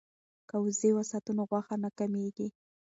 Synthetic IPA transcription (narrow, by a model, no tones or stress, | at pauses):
kawzewasat̪unoɣwaxanakameɡi